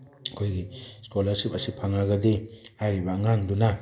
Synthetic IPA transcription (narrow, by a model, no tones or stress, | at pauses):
ɐkʰojɡiskolɐɾsipɐsipʰaŋaɡadehajɾibaŋanduna